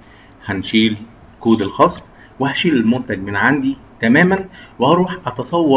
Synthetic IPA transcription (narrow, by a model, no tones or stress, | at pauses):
hænʃiːl | kuːd̪elxɑsˤb | wɪhæʃiːlɪlmʊmt̪æɡ̚mɪnʕand̪i | t̪æmæːmænwehɑɾuːħʔɑt̪ɑsˤɑwːɑ